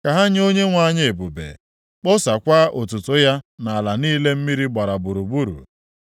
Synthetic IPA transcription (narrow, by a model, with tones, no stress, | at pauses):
ka˨ɦa˦ɲ˦o˦ɲe˦ŋʷa˦ɲ˦e˨bu˨bḛ˨ | k͡pʊ˦sa˨kʷa˦ʔo˨tʊ˨tʊ˦ja˦na˨a˨la˨niː˦le˦m̩˦mi˦ɾi˦ɡ͡ba˨ɾa˨bu˨ɾu˨bu˦ɾṵ˨